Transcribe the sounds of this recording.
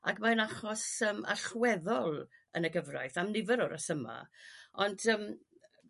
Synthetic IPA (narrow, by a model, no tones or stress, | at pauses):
akmanaχɔsəːma̰ɬwɛðɔlˠə̰nəɡəvra̰jθamnɪvəɾɔɾəsəma̰ɔndʰəm